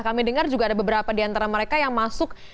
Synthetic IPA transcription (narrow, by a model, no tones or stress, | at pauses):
kamidəŋard͡ʒuɡadabəbəɾapadiant̪aɾaməɾekajaŋmasʊk̚